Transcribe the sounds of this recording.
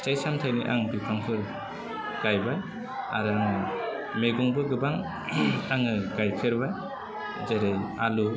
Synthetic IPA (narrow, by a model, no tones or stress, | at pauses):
t͡ʃajsamtʰajniʔa̰ŋbipʰaŋpʰɯɾ | ɡ̥ajbaj | a̰ɾɯaŋɯ | meɡɔŋbɯɡɯbaŋ | aŋɯɡajpʰeɾbaj | zaɾajalu